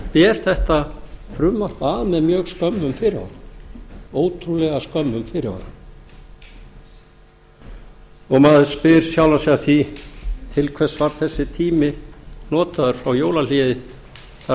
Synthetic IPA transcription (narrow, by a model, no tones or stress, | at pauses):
pɛːɾ̥θɛht̪afɾʏmːar̥p̪aːðmɛðmjœːɣskœmːʏmfɪɾɪa̰wɾa | oːwt̪ʰɾulɛːɣaskœmːʏmfɪɾɪa̰ɾa | ɔɣmaːðɪspɪɾ̥sjawlasɛaθit̪ʰɪlkʰvɛ̥svaɾ̥θɛsːɪt̪ʰiːmɪnɔːt̪aðʏɾ̥fɾawjoːwlal̥iðɪ | θa